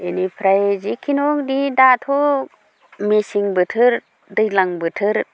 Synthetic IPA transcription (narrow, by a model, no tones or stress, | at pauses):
enipʰɾajzikʰinɔkdidatʰɔ | mesiŋbɯtʰɯɾ | dɯjlaŋbɯtʰɯɾ